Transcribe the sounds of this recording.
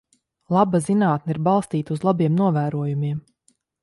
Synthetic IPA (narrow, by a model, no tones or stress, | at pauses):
lˠabazinaːt̪niɾbɑlˠst̪iːt̪uzlˠabiɛmnuɔvæːɾuɔjumiɛm